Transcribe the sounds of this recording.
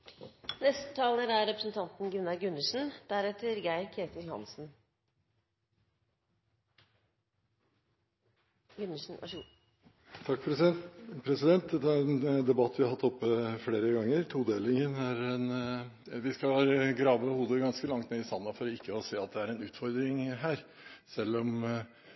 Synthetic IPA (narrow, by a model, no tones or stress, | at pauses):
nɛst̪ə̥t̪ʰɑːləɾæɾɾɛpɾəsn̩t̪ʰɑnt̪nɡʉnːɑɾɡʉnːəʂn̩d̪̥æɾɛt̪əɾɡæɪɾkʰeːt̪əlhɑ̰nsn̩ | ʉnən̩̰ | t̪ʰɑkːpʰɾɛsɛpʰɾɛsɪd̪ɛnt̪̚d̪ɛt̪ːææɾɛnd̪ɛbɑt̪ːʋɪhɑɾhɑt̪ːɔpːəfɽeːɾəɡɑŋːəɾt̪ʰuːd̪eːlɪŋənæɾɛn | ʋɪskɑɡɾɑːʋəəhuːd̪əɡɑnskəlɑŋt̪neːɪsɑnːɑfɔɾɔɪkːəɔseːɑt̪̚d̪ɛæɾɛnʉːt̪fɔɾd̪ɾɪŋɦæːɾ | sɛlːɔm